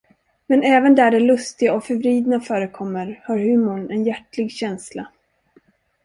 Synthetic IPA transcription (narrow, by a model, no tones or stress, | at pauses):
mɛnɛːvənd̪æɖɛlɵst̪ɪɡaɔfœɾvɾiːd̪nafœːɾəkʰɔmːəɾhaɾhʉ̟ːmʊɳɛnjæʈlɪɡɕɛnsla